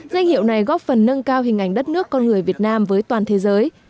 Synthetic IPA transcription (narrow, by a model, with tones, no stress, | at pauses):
za˧jŋ̟hḭ˧˨wna˨˩jɣɔ˦˥p̚fə˨˩nːə˧ŋkaː˧wɦï˨˩ŋ̟ʔa˧˩jŋ̟ɗə˦˥t̚nɨ˦˥əkːɔ˧nŋɨ˨˩əjvi˨˩ət̚naː˧mvəː˨˦jt̪waː˨˩nt̪ʰe˨˦zəː˨˦j